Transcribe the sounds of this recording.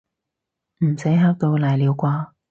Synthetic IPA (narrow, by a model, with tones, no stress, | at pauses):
m̩˨˩sɐ˨˥jɦaː˧˥k̚t̪o˧wlaː˨˩jliː˨˧wkʷaː˧